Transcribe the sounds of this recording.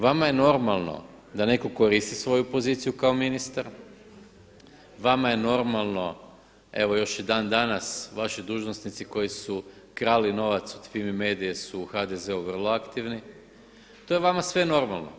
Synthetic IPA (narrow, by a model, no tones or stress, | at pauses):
ʋamaje̞no̞ɾmalˠno̰ | d̪ane̞ko̞ko̞ɾist̪isʋo̞jupo̞ziːt̪sijukaominist̪aɾ | ʋamaje̞no̞ɾmalˠno̞ | e̞ʋo̞jo̞ʃid̪aːnd̪anasʋaʃid̪uːʒnosnit̪siko̞jisu | kɾaːlino̞ʋat̪su̥t̪fimime̞ːd̪ijesuːxad̪eze̞uʋər̩lˠoakt̪iʋni | t̪o̞jeʋamasʋe̞no̞ɾmalˠno̞̰